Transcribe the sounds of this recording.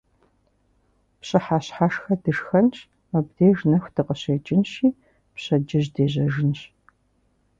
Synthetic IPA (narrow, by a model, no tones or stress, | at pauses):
pɕʼɨħaːɕħaːʂxɐdɨʂxɐnʈ͡ʂ | mɐbdeːʒnɐxʷdɨqəɕeːt͡ʃʼɪnʃiː | pɕɐd͡ʒɪʑdeːʑɐʒɨnɕ